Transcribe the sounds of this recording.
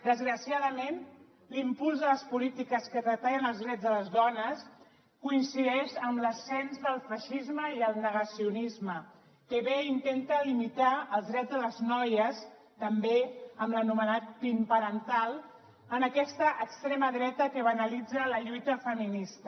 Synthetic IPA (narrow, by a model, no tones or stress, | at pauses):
d̪əzɣɾəsiaðəmen | limpulˠzðələspulit̪ikəskərət̪aʎənəlˠzðɾɛd͡zzðələzðɔnəs | kuinsiðɛʃəmləsɛnzðəlˠfəʃizməiəlˠnəɣəsiunizmə | kəβeint̪ent̪əlimit̪aəlˠzðɾɛd͡zðələznɔjəs | t̪əmbeəmlənumənat̪̚pimpəɾənt̪alˠ | ənəkɛst̪əʔəkst̪ɾeməðɾɛt̪əkəβənəlid͡zələʎujt̪əfəminist̪ə